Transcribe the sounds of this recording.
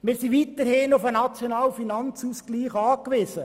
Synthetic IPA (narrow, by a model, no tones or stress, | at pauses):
mɪːɾsiʋit̪əɾhɪnʊfənɑt͡sjonɑːlfinɑnt͡suːskliːχɑːkʋɪsə